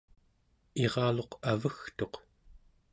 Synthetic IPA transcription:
eʁɑːlo̞qavəxt̪o̞q

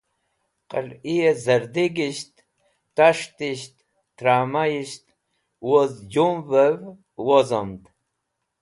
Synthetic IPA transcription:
qə̰liezəɾd̪iɡiɕt̪ | t̪aʂt̪iɕt̪ː | ɾaːmajiɕt̪ | wozd͡ʑumvəv | wozomd̪

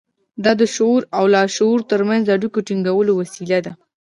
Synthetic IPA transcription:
d̪ɑd̪əʃoɾawlɑʃouɾt̪əɾmanzaɽikoʈiŋɡawəlowasilad̪a

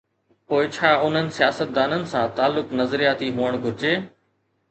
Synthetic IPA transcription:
poːɪt͡ɕʰaːʊn̤ənɪ̆sɪjaːsət̪̚d̪aːnənɪ̆sãːt̪aːlːʊknəzɾijaːt̪iɦuːəɽ̃ɡʱʊɾɪd͡ʑeː

